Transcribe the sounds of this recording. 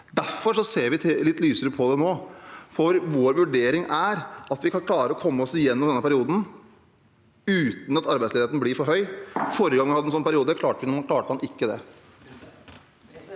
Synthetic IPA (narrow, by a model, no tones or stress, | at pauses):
d̪æɾfɔʂɔseːɾʋɪt̪ʰlɪt̪ːlyːsəɾəpʰɔd̪ɛnoːfɔɾʋoːɾʋʉɖeːɾɪŋæɾʔɑt̪ʋɪkʰɑnkʰlɑːɾəɾɔkʰɔmːəɔsɪjɛnːɔmd̪ɛnːəpʰæɾɪuːd̪n̩ | ʉːt̪n̩ɑt̪ɑɾbæɪsleːət̪nəblɪɾfɔɾɦœʏfoːɾəɡɑŋːhɑd̪ɛnsɔnpʰæɾɪuːd̪əkʰlɑːʈəʋɪnmɑnkʰlɑːʈəmhɑnʔɪkːəd̪ɛ